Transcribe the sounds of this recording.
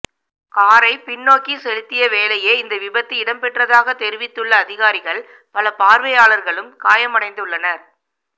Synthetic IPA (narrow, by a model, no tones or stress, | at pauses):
kaːɾɐɪpɪnːoːkisɛlɪt̪ːɪjɐʋeːlɐjeːɪnd̪ɐʋɪbɐt̪ːɯɪɽɐmpɛʈrɐðaːɣɐt̪ɛɾɪʋɪt̪ːɯɭːɐːðɪɣaːɾɪɣɐɭ | pɐlɐpaːɾʋɐjaːɭɐɾɣɐɭɯmkaːjɐmɐɽɐɪnd̪ɯɭːɐnɐɾ